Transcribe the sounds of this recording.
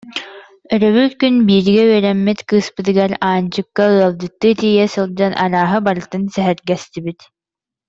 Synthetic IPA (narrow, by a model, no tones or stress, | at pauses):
œɾœβylkynbiːɾɡɛyɛɾɛmːɛt̪kɯːspɯt̪̬ɯɡaɾaːnt͡ɕɯkːaɯɐlˠdɯt̪ːɯt̪ijɛsɯlˠd͡ʑanʔaɾaːɦɯbaɾɯt̪ɯnsɛɦɛɾɡɛst̪ibit̪